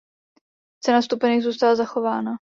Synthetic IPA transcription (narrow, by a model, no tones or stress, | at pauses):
t͡sɛnast̪upɛniɣzuːst̪alazaxo̞vaːna